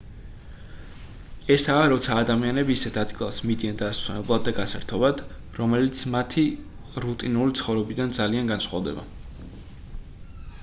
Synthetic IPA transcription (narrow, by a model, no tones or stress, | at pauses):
ɛsaːɾɔt̪sʰaːd̪amianɛbiːsɛt̪ʰad̪ɡilˠasmid̪iand̪asunɛblˠad̪̚ːaɡasɛɾt̪ʰɔbad̪̥ | ɾɔmɛlit̪sʰmat̪ʰi | ɾut̪ʼinulit̪sʰχɔvɾɛbid̪and̪zalianɡansχwa̰vd̪ɛba̰